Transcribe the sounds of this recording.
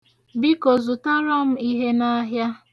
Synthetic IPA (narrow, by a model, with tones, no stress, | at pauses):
bi˦ko˨zu˨ta˦ɾɔ˦m̩˦i˦ɦe˦na˦ɦja˦